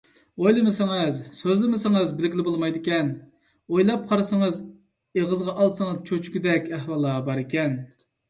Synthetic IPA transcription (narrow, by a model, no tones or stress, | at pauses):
ojlˠɨmɨsɪŋɨzsøzlɪmɪsɪŋɨzbɪlɪɡʲilɪbolˠmɑjd̪ɪkʲɛn | ojlˠɑp̚qʰɑɾɨsɨŋɨz | eʁəzʁɑʔɑlˠsɨŋəzt͡ʃʰot͡ʃʰy̥kʲyd̪ɛkʲɛhwɑlˠːɑbɑɾɪkʲɛn